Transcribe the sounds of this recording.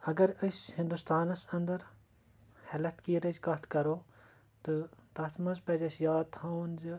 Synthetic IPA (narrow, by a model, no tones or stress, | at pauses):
ɐɡɐɾəsʲhɪ̃nd̪ust̪aːnɐsɐ̃nd̪ɐɾ | hɛlɐt̪kiːɾəd͡ʒkɐt̪ʰkɐɾoː | t̪ɨt̪ɐt̪ʰmɐzpɐd͡ʒɐsjaːt̪ʰhãnd͡ʒ